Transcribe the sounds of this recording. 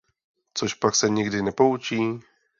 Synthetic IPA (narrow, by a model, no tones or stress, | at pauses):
t͡soʃpaksɛɲɪɡdɪnɛpo̞ut͡ʃiː